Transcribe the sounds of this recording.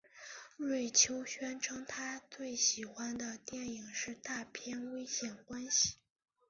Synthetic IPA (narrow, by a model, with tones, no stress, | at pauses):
ɻwe˥˩ɪt͡ɕʰjo˥ʊɕɥɛ˥nʈ͡ʂʰɤ˥ŋt̪ʰa˥t͡swe˥˩ɪɕi˨˩xwa˥nd̪ə˨t̪jɛ˥˩ni˨˩ŋʂɻ̩˥˧t̪a˥˩pʰjɛ˥˧nwe˥ɪɕjɛ˨˩nkwa˥nɕi˨˩